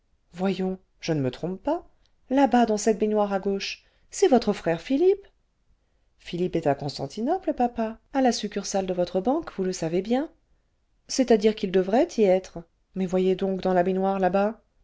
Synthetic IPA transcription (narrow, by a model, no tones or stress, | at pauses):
vwajɔ̃ | ʒ̥ənəmət̪χɔ̃ppa | labad̪ɑ̃sɛt̪̚benwaʁaɡoʃ | sɛvɔt̪χəfχɛʁfilip | filipɛt̪akɔ̃st̪ɑ̰̃t̪inɔpləpapaalasykʲyʁsald̪əvɔt̪χəbɑ̃kvuləsavebjɛ̃ | sɛt̪ad̪iʁkild̪əvʁɛt̪ʰiɛt̪χ | mɛvwajed̪ɔ̃kd̪ɑ̃labenwaʁlaba